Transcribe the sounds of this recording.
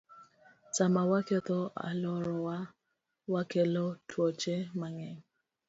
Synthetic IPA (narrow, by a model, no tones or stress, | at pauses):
samawaket̪ɔa̰lɔɾɔwa | wakelɔtʰwɔt͡ʃemaŋɛŋ